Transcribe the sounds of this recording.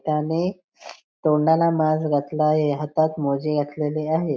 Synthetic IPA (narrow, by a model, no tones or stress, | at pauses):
t̪ane | t̪oɳalamazɡət̪ʰlaɦeɦət̪at̪mod͡ʑeɡət̪ʰleleaɦe